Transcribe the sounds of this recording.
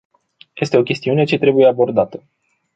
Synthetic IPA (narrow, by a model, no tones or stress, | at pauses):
je̞st̪e̞o̞kʲe̞st̪iune̞t͡ʃe̞t̪ɾe̞buje̞abo̞rd̪at̪ə